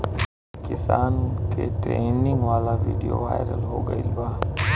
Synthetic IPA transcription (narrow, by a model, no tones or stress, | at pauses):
kɪsaːnkeʈɾeːnɪ̃ŋɡʋaːlaʋḭːɖijoʋaːɪɾəlɦoːɡɐilbaː